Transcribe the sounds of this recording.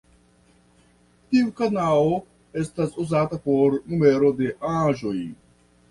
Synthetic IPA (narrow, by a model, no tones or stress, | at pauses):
tiukanalo | e̞stasuzatapo̞ɾnume̞ɾo̞de̞ʔãʒo̞j